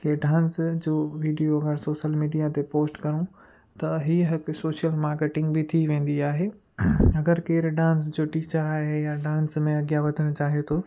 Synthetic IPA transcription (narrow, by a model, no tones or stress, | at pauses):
keɖãːnsd͡ʑoːʋiːɖijoɐɡəɾsoːʃəlmiːɖijat̪epoːsʈkɐɾũ | t̪ɐɦiːəɦɪksoːʃijəlmaːɾkeːʈɪ̃ŋɡbit̪ʰiʋẽːn̆d̪iaːɦeː | ɐɡəɾkeːɾɖãːns̬d͡ʑoːʈiːt͡ɕəɾaːɦejaɖãːnsmẽɐɡijaʋɐd̪ʱəɽ̃t͡ɕaːɦiot̪ʰoː